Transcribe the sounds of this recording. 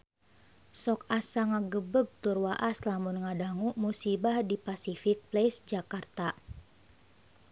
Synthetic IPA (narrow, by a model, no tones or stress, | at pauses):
sɔkasaŋaɡəbəɡ̚t̪urwaʔaslamunŋadaŋuʔmusibahdipasifik̚plesd͡ʒakart̪a